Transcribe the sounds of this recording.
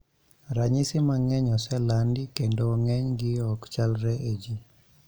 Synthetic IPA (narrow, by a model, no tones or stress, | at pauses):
ɾaɲisɪmaŋɛɲɔsɛlandikendoŋɛɲɡɪɔkt͡ʃalɾɛʔed͡ʒi